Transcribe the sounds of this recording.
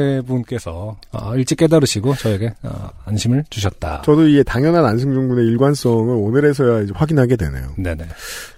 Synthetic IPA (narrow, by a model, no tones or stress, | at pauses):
ebunk͈e̞sʰʌa̰iɭt͡ɕ͈ik͈e̞daɾɯɕʰiɡot͡ɕʌeɡe̞a̰anɕʰimɯɭt͡ɕuɕʰʌt̚t͈a̰t͡ɕʌdoiɡe̞taŋjʌnananɕʰɯŋd͡ʑuŋbune̞iɭɡwans͈ʌŋɯɾonɯɾe̞sʰʌjaid͡ʑeɸwaɡinɦaɡe̞dwe̞̰nḛjo̰ne̞ne̞